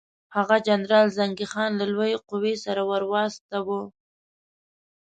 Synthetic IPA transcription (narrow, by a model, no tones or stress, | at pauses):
haɣad͡ʒanɾɑlzaŋɡixɑnlalwojeqʊwesaɾawaɾwɑst̪awo